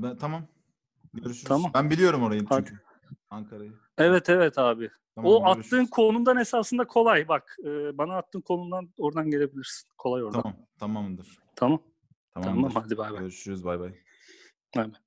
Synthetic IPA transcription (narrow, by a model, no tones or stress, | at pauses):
bt̪ʰamam | ɟøɾyʃʰamambænbilʲijo̞ɾumo̞ɾajɯnhad̪ | aŋkʰaɾajɯ | evɛt̪ʰevɛt̪ʰaːbɪ | aoat̪lːɯːnkʰo̞nund̪ane̞saːsɯnd̪akʰo̞lˠajbakɯːbanaːt̪ːɯːnkʰo̞numnd̪ano̞ɾd̪anɟe̞ɾe̞bilʲiɾsi̥nkʰo̞lˠajo̞ɾd̪aaam | t̪ʰamamɯnd̪ɯɾ̥ | t̪ʰamam | t̪ʰaamamhad̪ibajbaøɾʃyɾyzbajbaj | amɛ